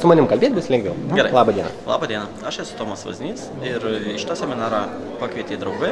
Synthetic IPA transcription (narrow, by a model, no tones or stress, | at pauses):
sʊmɐnʲɪmkɐlʲbʲeːt̪ʲbʲɪsʲlʲɛŋɡʋʲɛʊɛɾɐɪlˠɑːbɐdʲiɛnɐ̰lˠɑ̰ːbɐːd̪ʲiɛnɐ | ɐʃɛsʊ̥t̪oːmɐsʋɐ̰zʲnʲiːs | ɪɾɪʃʲɪ̥t̪ɑːsʲɛmʲɪnɑːɾɑ | pɐkʋʲiɛt̪ʲeːd̪ɾɐʊɡɐɪ